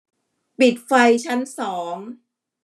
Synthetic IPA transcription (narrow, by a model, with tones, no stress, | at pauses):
pi˨˩t̪̚fa˧jt͡ɕʰa˦˥nsɔː˩˦ŋ